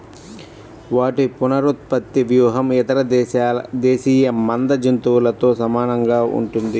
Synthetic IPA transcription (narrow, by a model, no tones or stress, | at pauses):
ʋaːʈipunɐɾut̪̚pɐt̪ːiʋjuːɦɐmɛt̪ɐɾɐ | d̪eːsiːjɐmɐnd̪ɐd͡ʒɐnt̪uːlɐt̪o̞ːsɐmaːnɐŋɡaːʔṵɳʈund̪i